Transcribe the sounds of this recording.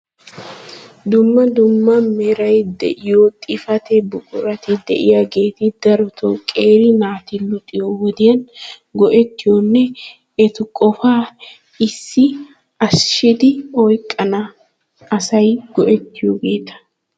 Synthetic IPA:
d̪ʊmːɐd̪ʊmːɐmɛɾɐjd̪ɛ̰ʔɪjoːt̪ʼɪfɐt̪ɛbʊkʼʊɾɐt̪ɪd̪ɛ̰ʔɪjaɡe̞ːt̪ɪd̪̥ɐɾʊt̪ʰokʼe̞ːɾɪnaːt̪ɪlʊt̪ʼːɪjowɔd̪ɪjɐn | ɡɔʔɛt̪ːɪjɔnːɛ | ɛt̪ʊkʼɔfaː | ɪsːɪ | ɐsʃɪd̪ɪɔjkʼːɐnɐː | sɐjɡ̥ɔʔɛt̪ːɪjoːɡe̞ːt̪ɐ̥

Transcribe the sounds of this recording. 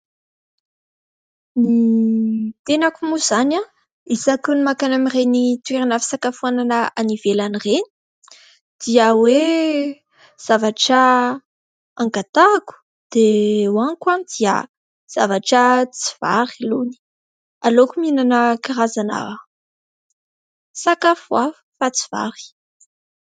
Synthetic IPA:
ni | t̪enakumuzana | izakunimakanamirenit̪ueɾinafi̥sakafuananaanivelanireni̥ | d̪̥iəwe | z̥avaʈ͡ʂə | aŋɡat̪aku̥ | d̪̥ewaŋkwanid̪̥iə̰ | z̥avaʈ͡ʂət͡si̥v̥a̰ɾiluni̥ | alokuminanəkiɾazana̰ | sakafua | fat͡si̥v̥a̰ɾi̥

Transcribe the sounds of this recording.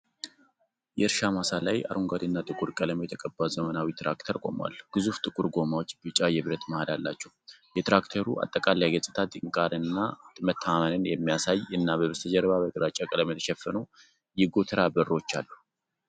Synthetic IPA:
jɛɨɾʃamasalaja̰ɾʔoŋɡad̪ɨnːat̪ʼɨkʼuɾkʼələmejɛt̪ʰəkʼəbːazəmənawit̪ʰɾa̰kt̪ʰəɾkʼo̞̰mwa̰lːɡ̥ɨzuft̪ʼɨkʼuɾɡo̞mawo̞t͡ʃːbɨt͡ʃʼajɛβɾət̪məhad̪alːat͡ʃːɛhjɛt̪ɾakt̪ʰəɾuʔa̰t̪ʼːəkʼalajɡəsʼɨt̪ʰat̪ʼɨŋkʼaɾɨnːat̪ʼɨmət̪ʰːamənɨnjɛmːijasajɨnːaβəβəst̪ʰəd͡ʒɛɾβaβəd̪ʼɨɾat͡ʃʼːakʼələmet̪ʰəʃɛfːəno̞ | jɪɡo̞t̪ʰɨɾabərːot͡ʃːa̰lːuh

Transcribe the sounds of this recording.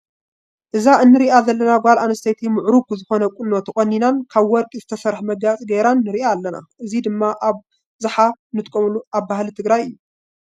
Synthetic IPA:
ʔɨzaʔɨnːɨɾiʔazɐlːɐnaɡalʔanɐst̪ʰɐjt̪ʰimɨʕɾukuzɨxo̞nɐkʷʼunːo̞t̪ʰɐχʼɐnːinankʰaβwɔɾkʼizɨt̪ʰɐsɐɾħmɐɡat͡sʼiɡeɾanːɨɾiʔaːlːɐna̰ʔɨzid̪ɨmːaʔaβ | zɨħanɨt̪ʼkʼɐmluʔaβbahlit̪ʰɨɡɾajɨjːu

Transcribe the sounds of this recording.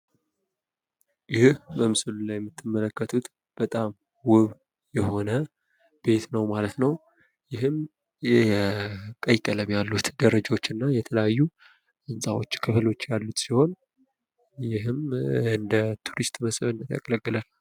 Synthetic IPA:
jɪhhbəmɨsɨlulajɛmːɨt̪ʰːɨmːələkːət̪ʰut̪ | b̥ət̪ʼam | wʊβ | jɛho̞nə | b̥e̞t̪nəwmalət̪nəw | jɪhɨm | kʼəjkʼələmjalːut̪d̪əɾəd͡ʒaot͡ʃːɨnːajɛt̪ʰələjajːu | ʔɨnsʼawot͡ʃːkʰɨflo̞t͡ʃːjalːut̪siho̞n | jɪhɨmɨnd̪ət̪ʰuɾist̪ʼməsʼɨβɨnːət̪ja̰kʼələkʼːɨlal

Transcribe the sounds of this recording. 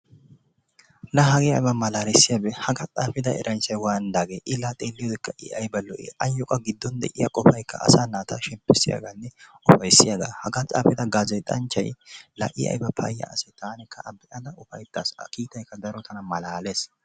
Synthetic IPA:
lɐɦɐɡɪɐ̰jbɐmɐlaːɾɛsːɪjɐbɛhɐɡɐt͡sʼaːfɪd̪ɐɛ̰ɾʔɐnt͡ʃːɐjwaːnd̪aːɡeːʔɪlːat̪ʼeːlːɪjɔd̪ɛkːɐʔɪ̰ɐjbɐlɔʔɛ̰ɐjːɔkʼɐɡɪd̪ːɔnd̪ɛ̰ʔɪjɐkʼɔfɐjkːɐ̰ːsaːnaːt̪ʰɐʃɛmpːɛsːɪ̰ja̰ɡanːɛʔʊfɐjsɪjaɡa̰ːhɐɡat͡sʼa̰ːfɪd̪ɐɡaːzɐjt̪ʼɐnt͡ʃːɐ̰jlɐ̰ʔɪ̰ʔɐ̰jbɐpʰɐ̰jːɐ̰ɐ̰sɛt̪aːnɛkːɐʔɐbɛʔɐd̪ɐʊfɐjt̪ːa̰ːsɐ̰kiːt̪ɐjkːɐd̪ɐɾɔt̪ʰɐnɐmɐlaːles

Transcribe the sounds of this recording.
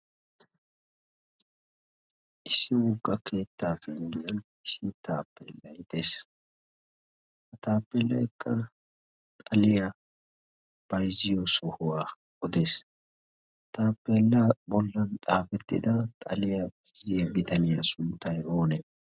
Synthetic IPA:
ʔɪsːɪwʊɡʼːɐkʰe̞ːt̪ːaːfɛŋɡɪjɐn | ɪsːɪt̪aːpːelːɐjd̪eːs | hɐt̪aːpːɛlːɐjkʰːɐ | t̪ʼɐlɪjɐ | b̥ɐjzɪjɔsɔhʊwaː | ʔɔd̪e̞s | t̪aːpːɛlːɐbɔlːɐnt̪ʼaːfɛt̪ːɪ̰d̪ɐt̪ʼɐ̰lɪjɐbɪzɪjɐɡɪt̪ɐnɪjɐsʊnt̪ːɐjo̞ːnɛ

